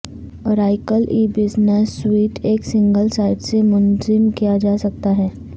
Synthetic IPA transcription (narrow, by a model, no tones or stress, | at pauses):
ɔɾaːɪkəlʔiːbɪznəsːwiːʈeːksɪ̃ŋɡəlsaːɪʈsemʊnzɪmkijad͡ʒaːsɐk̚t̪aɦɛː